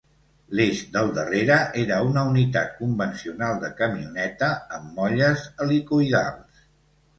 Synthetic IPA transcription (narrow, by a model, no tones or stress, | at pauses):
leʒd̪əlˠd̪əreɾəʔeɾəunəunit̪at̪̚kumbənsiunalˠd̪əkəmiunɛt̪əːmːɔʎəzəlikuiða̰lˠs